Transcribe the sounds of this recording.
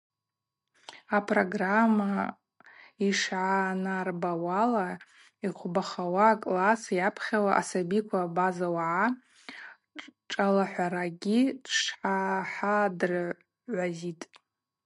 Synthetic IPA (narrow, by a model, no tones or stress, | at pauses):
apʰʼroɡramːa | iʂʕanarbawala | iqʷʰbaχawaːkʼlasjapʰχʲawaʔasabikʷʰabazawaʕa | ʈ͡ʂʼalaħʷaɾaɡʲidʂħaħadr | ʕʷazitʼ